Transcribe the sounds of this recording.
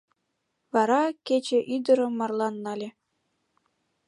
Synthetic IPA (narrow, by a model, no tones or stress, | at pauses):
βɑɾɑket͡ɕeʔyd̪ɤ̆ɾɤ̆mːɑrlˠɑnːɑlʲe